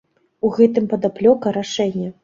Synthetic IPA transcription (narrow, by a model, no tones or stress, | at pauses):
uɣɛt̪ɨmpɐd̪aplʲɔkɐɾaʂɛnʲːɐ